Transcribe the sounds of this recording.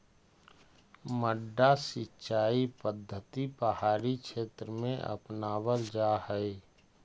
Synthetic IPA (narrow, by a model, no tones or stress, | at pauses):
məɖːasɪtːt͡ʃʃaːipəd̪ʱːət̪ipəhaːɾikʃeːt̪ɾəmẽʔə̰pnaːwəld͡ʒahɛe